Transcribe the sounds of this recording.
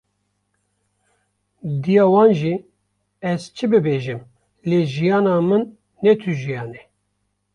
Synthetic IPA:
d̪ijɑːwɑːnʒi | ɛzt͡ʃʰɨbɨbeːʒɨm | leʒijɑːnɑːmɨnː | ɛt̪ʰyʒijɑːnɛ

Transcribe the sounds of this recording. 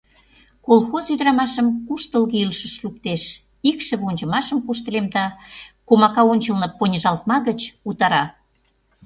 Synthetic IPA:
kolˠxozyd̪ɾɑmɑʃəmkuʃt̪əlɣeilʃə̆ʃluk̚t̪eʃ | ikʃə̆βonʲt͡ɕə̆mɑʃəmkuʃt̪ə̆lemd̪ɑkomɑkɑonʲt͡ɕəlnɤ̆ponʲəʒɑlt̪̚mɑɣət͡ɕut̪ɑɾɑ

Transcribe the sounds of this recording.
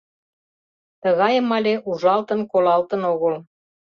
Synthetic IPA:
t̪əɣɑjəmɑlʲeʔuʒɑlt̪ənkolɑlt̪ə̆noɣəl

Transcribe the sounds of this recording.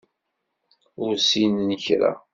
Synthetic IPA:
ʊɾsinənçɾæ̰

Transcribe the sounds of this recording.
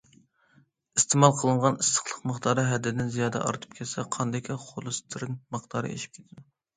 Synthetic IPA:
ist̪ʰemɑlˠqʰəlˠɨɴʁɑnɨst̪ə̥χlˠəqməχt̪ɑɾɨɦɛd̪ɪd̪ɪnzijɑːd̪ɛ̰ʔɑ̰ɾt̪ʰɨ̥p̚kʲʰɛsɛqʰɑnd̪ɪkʲʰɛχolˠɨst̪ʰɨɾɨŋməχt̪ɑːɾɨ̰ḛʃi̥p̚kʲʰet̪ʰɪd̪u

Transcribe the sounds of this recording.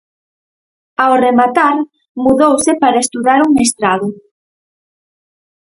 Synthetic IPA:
awremat̪aɾ | muðowsɪpaɾaest̪uðaɾuŋest̪ɾaðʊ

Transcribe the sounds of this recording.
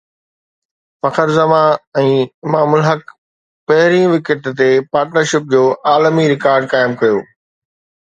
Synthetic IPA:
fɐkəɾzɐmãɛ̃ːɪmaːmʊlɦɐk | pɐɦɪɾĩʋɪkəʈt̪epaːɾʈnəɾʃɪp̚d͡ʑoːʔaːlmiɾɪkaːɾɖkaːɪmkɐjoː

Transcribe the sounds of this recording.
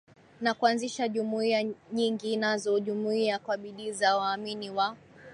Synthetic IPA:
nakuanziʃaʄumuiaɲiŋɡinazɔʄumuiakwaɓiɗizawaːminiwa

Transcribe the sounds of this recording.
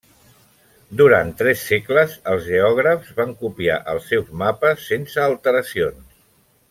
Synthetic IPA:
d̪uɾant̪ːɾɛsːekləzəlˠzʒeɔɣ̞ɾəfzβaŋkupia̰ʔəlˠsːɛwzmapəsːensəːlˠt̪əɾəsions

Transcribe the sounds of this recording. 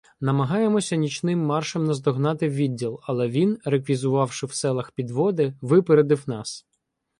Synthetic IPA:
nɐmɐɦɑjemɔsʲɐnʲit͡ʃnɪmːɑrʃɛmnɐzd̪ɔɦnɑt̪ɪʋʲidʲːilˠɐlˠɛʋʲinɾekʋʲizʊʋɑwʃɪwsɛlˠɐxpʲid̪ʋɔd̪ɪʋɪpeɾed̪ɪwnɑs

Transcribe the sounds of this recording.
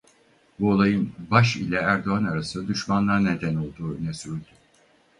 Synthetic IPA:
buolˠajɯnbaʃilʲɛæɾd̪o̞anaɾasɯd̪yʃmanlˠaɾned̪æno̞lˠd̪uːnɛsyɾlʲd̪y

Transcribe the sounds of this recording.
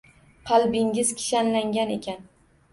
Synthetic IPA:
qʰɑlbɪŋʲɪz̥kʲʰɪ̥ʃanlaŋɡʲanekʲʰan

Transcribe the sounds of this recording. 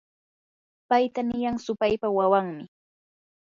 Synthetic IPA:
pajt̪anɪjaŋsʊpajpawawaŋmɪ

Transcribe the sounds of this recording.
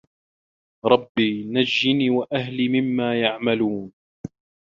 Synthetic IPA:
ɾˤɑbːiːnad͡ʒːɪniːwaʔaɦliːmɪmːaːjaʕmaluːn

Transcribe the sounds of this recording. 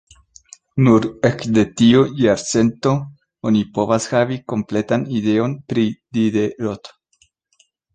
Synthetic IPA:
nuɾekde̞tiojaɾt͡se̞nto̞ | onipo̞vashaviko̞mple̞tanide̞o̞npɾidideɾot̪

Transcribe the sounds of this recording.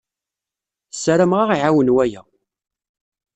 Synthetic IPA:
sːɾæmʁaʁiʕawənwæjæ

